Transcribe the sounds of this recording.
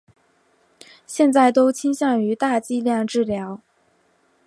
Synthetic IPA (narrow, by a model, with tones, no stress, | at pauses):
ɕjɛ˥˧nt͡sa˥˩ɪt̪o˥ʊt͡ɕʰi˥ŋɕjɑ˥˩ŋy˧˥t̪a˥˩˧t͡ɕi˥˧ljɑ˥˧ŋʈ͡ʂɻ̩˥˩ljɑ˧˥ʊ